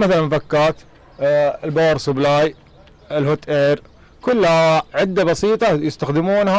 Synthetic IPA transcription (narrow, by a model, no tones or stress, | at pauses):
maθalanmfakːaːt̪ | ɪlboːɾˤsʊblaːj | ɪlhʊt̪ʔeːɾ | kʊlːhaʕɪd̪ːabɑsiːt̪ˤɑjɪst̪axd̪ɪmuːnha